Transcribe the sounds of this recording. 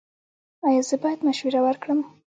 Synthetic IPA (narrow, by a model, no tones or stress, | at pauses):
ɑjɑzəbɑjad̪maʃwiɾawaɾkɽəm